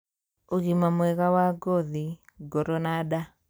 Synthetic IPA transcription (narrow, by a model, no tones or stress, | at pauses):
oɣimamwɛɣawaɡɔðiɡɔɾɔnada